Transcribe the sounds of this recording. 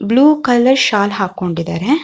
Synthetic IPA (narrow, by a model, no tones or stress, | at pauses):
bluːkɐlːɐɾʃaːlɦaːkːoɳɖid̪aːɾe